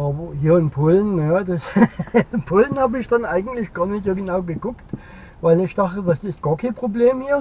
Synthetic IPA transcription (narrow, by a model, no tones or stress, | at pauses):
ʔaːbɐhiːɐɪnpʰoːlnːdas | pʰoːln̩haːbəɪçd̥anʔaɪɡŋ̩tlɪçɡ̥ɑːɐnɪtz̥oːɡənaʊɡəɡʊkt | vaɪlɪçd̥aχtədasɪst̚ɡ̥ɑːɐkʰanpʁ̥obleːmhiːɐ